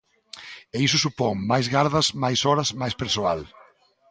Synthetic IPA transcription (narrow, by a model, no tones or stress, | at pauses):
eisʊsupɔŋmajzɣaɾðɐzmajsɔɾɐzmajspeɾsoal